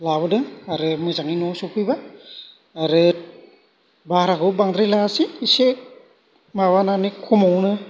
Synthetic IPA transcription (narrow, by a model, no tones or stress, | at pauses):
labɯdɯŋaɾɯmɯzaŋinɔsupʰɯjbaː | ɾɯ | baɦɾakʰɯbaŋd̪ɾajlasiːsek̚ | mawananikʰumawnɯ